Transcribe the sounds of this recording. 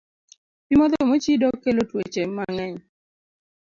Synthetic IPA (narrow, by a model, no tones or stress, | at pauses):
pimɔd̪ɔmot͡ʃidɔkːelotwet͡ʃemaŋɛɲ